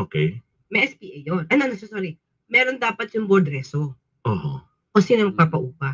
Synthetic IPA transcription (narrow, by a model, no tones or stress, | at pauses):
ʔoːkɛj | mɛʔɛspiːʔɐjːonʔɐnoɐnosɛsoːɾi | mɛːɾond̪aːpɐt̪̚jʊŋboɹd̪ɾɛso | ʔoːho̰ | kosɪnɐmɐɡ̚paːpɐʔuːpɐ